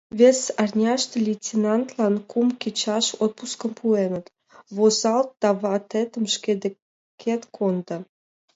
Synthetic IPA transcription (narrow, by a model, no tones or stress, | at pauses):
vʲesɑrnʲɑʃt̪elʲitʲinɑnt̪lɑnkumkʲit͡ɕɑʃot̪̚puskə̆mpuenət̪ | βozɑlt̪̚d̪̥ɑβɑt̪et̪əmʃked̪e | kʰet̪kʰond̪ə̆